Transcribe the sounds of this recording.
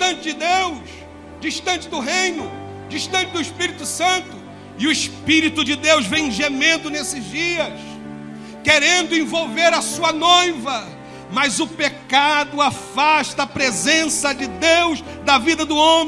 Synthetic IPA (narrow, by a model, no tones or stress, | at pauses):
ʃt̪ɐ̃nt͡ʃɪd͡ʒɪd̪ews | d͡ʒiʃt̪ɐ̃nt͡ʃɪd̪ʊɦẽjnʊ | d͡ʒiʃt̪ɐ̃t͡ʃɪd̪ʊiʃpiɾit̪ʊsɐ̃nt̪ʊ | ɪʊiʃpiɾit̪ʊd͡ʒɪd̪ewzvẽj̃ʒemẽnd̪ʊnesɪzd͡ʒiɐs | keɾẽnd̪ʊẽvowveɾɐsuɐnojvɐ | mɐzʊpekad̪ʊafaʃt̪ɐːpɾezẽsɐd͡ʒɪd̪ewzd̪ɐvid̪ɐd̪ʊõmẽ